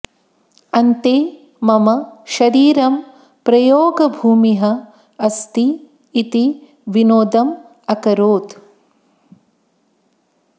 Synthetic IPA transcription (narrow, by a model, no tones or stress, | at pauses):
ɐnt̪eː | mɐmɐʃɐɾiːɾɐm | pɾɐjoːɡɐbʱuːmiɦɐ | ɐst̪iː | t̪i | ʋinoːd̪ɐm | ɐkɐɾoːt̪